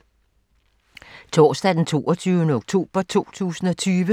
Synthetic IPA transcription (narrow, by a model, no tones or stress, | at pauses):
t͡sʰɒːsd̥ɛd̥ent͡sʰo̝̰ːɒt͡sʰyːʊnəoɡ̥t͡sʰo̝̰ːb̥ɐt͡sʰo̝̰ːt͡sʰṵːsn̩ɒ̽t͡sʰyːʋə